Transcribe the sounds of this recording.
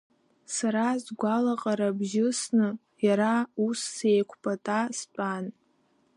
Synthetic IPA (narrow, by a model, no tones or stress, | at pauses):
saɾazɡʷalaqʼaɾabʒɪsnɨ | jaɾausːe̞jkʷʰpʰʼatʼast͡pʷʼan